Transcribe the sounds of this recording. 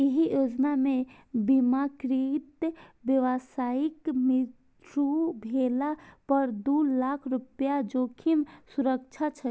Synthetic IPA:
iɦijoːd͡ʒnamẽ | bimakɾit̪bjəʋasaːɪkmi | ʈɾubʱelapəɾd̪uːlaːkʰɾʊpjad͡ʒoːkʰimsuɾək̚t͡ʃʰat͡ʃʰə

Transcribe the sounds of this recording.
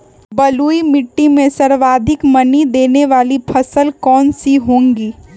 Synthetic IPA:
bɐluːimɪʈːimẽsɐɾʋaːd̪ʱɪkmɐnid̪eːneʋaːlipʰɐsəlkɔːnsiɦõːŋɡiː

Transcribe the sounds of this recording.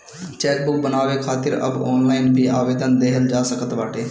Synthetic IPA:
t͡ʃɛːk̚bʊk̚bənaːʋekʰaːt̪ɪɾɐ̰bɔ̰ːnlaːɪnbʱiaːʋeːd̪ənd̪eɦəld͡ʒaːsəkət̪ʋaːʈeː

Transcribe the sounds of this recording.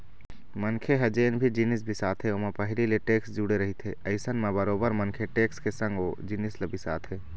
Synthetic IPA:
mənkʰeɦɐd͡ʒeːnbʱid͡ʒinɪs̬bʱisaːt̪ʰɦeomẽpəɦlileʈeːksd͡ʒuːɽeɾəɦit̪ʰɦeəɪsənmẽbəɾoːbəɾmənkʰeʈeːkskesə̃ŋɡod͡ʒinɪslebʱisa̰ːt̪ʰɦeː

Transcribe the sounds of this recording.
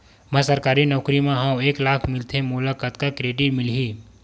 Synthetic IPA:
mə̃səɾkaːɾinɔːkɾimẽɦãũeːklaːkʰmɪlt̪ʰemuləkət̪kakɾeːɖiʈmɪlɦi

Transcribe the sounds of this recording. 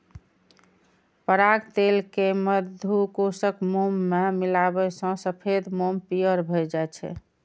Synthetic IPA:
pəɾaɡt̪elkeməd̪ʱukosəkmomːemilabəsə̃səpʰed̪mompijəɾbʱəjd͡ʒaet͡ʃʰɛ̰

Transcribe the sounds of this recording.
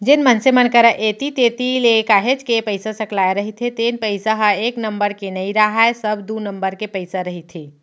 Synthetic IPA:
d͡ʒenmənsemənkəɾəʔet̪it̪et̪ilekaːɦet͡ʃkepəɪsasəklaeɾəɦit̪ʰet̪eːnpəɪsaɦeːknəmbəɾkenəĩɾaɦaesəbd̪unəmbəɾkepəɪsaɾəɦit̪ʰe

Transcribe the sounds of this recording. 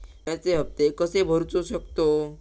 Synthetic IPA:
t̪jãt͡seɦəp̚t̪ekəsebʱəɾt͡soɕəkt̪o

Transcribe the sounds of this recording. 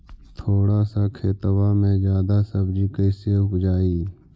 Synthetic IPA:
t̪ʰoːɽasakʰeːt̪əwaːmẽzjaːd̪asəbd͡ʒikəɪseʊkd͡ʒaːiː

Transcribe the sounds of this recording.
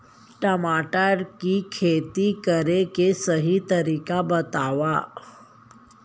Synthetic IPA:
ʈəmaʈaɾkiːkʰet̪iːkəɾekesəɦiːt̪əɾikabət̪aʋa

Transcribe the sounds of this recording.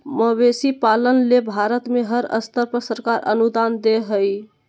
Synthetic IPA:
məbesipalənlebʱaɾət̪meɦəɾə̰st̪əɾpəɾsəɾkaɾʔə̰nud̪and̪eɦəj

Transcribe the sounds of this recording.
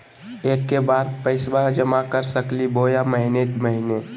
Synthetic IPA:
eːkːebaːd̪̚pəɪsbad͡ʒəmakəɾsəkliboːjaməɦɪnet̪məɦine

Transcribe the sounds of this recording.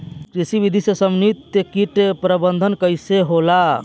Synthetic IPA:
kɾisibid̪ʱisesəmnit̪ːjekiʈepɾəbənd̪ʱənkəjseɦola

